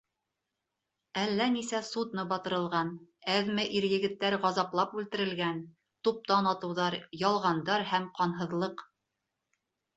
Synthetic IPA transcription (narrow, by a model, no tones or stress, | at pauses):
ælːænisæsud̪nɤbɑt̪ɤ̆ɾɤ̆lˠʁɑn | æðmæʔiɾjɘ̆ɡɘ̆t̪ːæɾʁɑzɑplˠɑpʉlt̪ɘ̆ɾɘ̆lɡæn | t̪up̚t̪ɑnɑt̪ɤ̆wðɑɾjɑlˠʁɑnd̪ɑɾhæmqɑnɦɤ̆ðlˠɤq